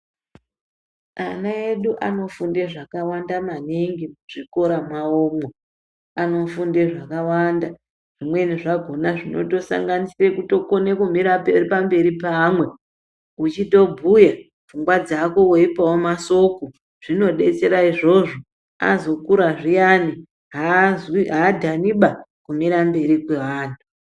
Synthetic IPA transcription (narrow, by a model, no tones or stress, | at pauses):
a̰nae̞ɗuʔano̞funde̞ʐakawandamaniŋɡimuʐ̥iko̞ɾamaoːmo | ano̞funde̞ʐakawanda | ʐ̥imwe̞niʐaɡʱo̞naʐino̞to̞sa̰ŋɡanisire̞kuto̞ko̞ne̞kumiɾaperipambe̞ɾipaːmwe̞ | ut͡ʃito̞bʱuja | vuŋɡwad͡zako̞woipawomaso̞ko | ʐ̥ino̞ɗe̞t͡se̞ɾaiʐo̞ʐo̞ | a̰zokuɾaʐijani | ɦaziɦadʱaniɓakumiɾambe̞ɾikweʋaːntʰu̥